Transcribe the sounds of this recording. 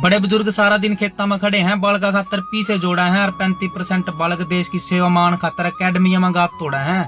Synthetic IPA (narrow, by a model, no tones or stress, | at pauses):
bəɽeːbʊzʊɾɡsaːɾaːd̪ɪnkʰeːt̪ːãːmãːkʰəɽeːɦɛ̃ːbəlkaːkʰaːt̪ːəɾpiːseːd͡ʒoːɽaːɦɛ̃ːəɾpɛ̃ːnt̪iːpəɾsɛːɳʈbəlɡd̪eːʃkiːseːʋaːmaːnkʰaːt̪ːəɾəkɛːɖmiːjãːmãːɡaːt̪̚t̪oːɽaːɦɛ̃ː